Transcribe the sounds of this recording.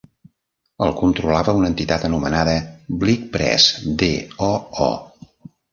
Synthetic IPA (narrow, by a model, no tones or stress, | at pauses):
əlˠkunt̪ɾulaβəunənt̪it̪at̪ənumənaðəblik̚pɾɛ̰sd̪ḛɔɔ̰